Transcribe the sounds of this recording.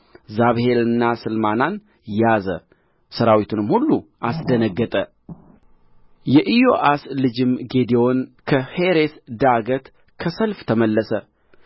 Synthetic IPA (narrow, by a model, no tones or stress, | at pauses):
zaβhe̞lɨnːasɨlmanan | jazə̰ | səɾawit̪ʰunɨmhulːuʔasd̪ənəɡːət̪ʼə | jɛʔijo̞ʔaslɨd͡ʒɪmɡe̞d̪io̞nkʰəheɾesd̪aɡət̪ | kʰəsəlft̪ʰəməlːəsə